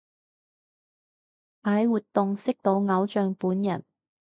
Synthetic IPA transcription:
paː˨jwuː˨t̪ːʊ˨ŋsɪ˥k̚t̪o˧wŋɐ˨˥wt͡ʃœː˨ŋpuː˨˥njɐ̰˨˩n

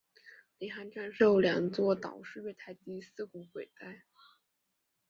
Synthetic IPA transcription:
li˧˥xa˧˥nʈ͡ʂa˥˧nʂo˥˩ʊljɑ̰˨˩ŋt͡swɔ˥˩t̪ɑ̰˨˩ʊʂɻ̩˥˧ɥɛ˥˧ɪt̪ʰa˥˧ɪt̪i˥˧˥sɹ̩˥˩kʊ˧˥ŋxwe˨˩ɪt̪a˥˩ɪ

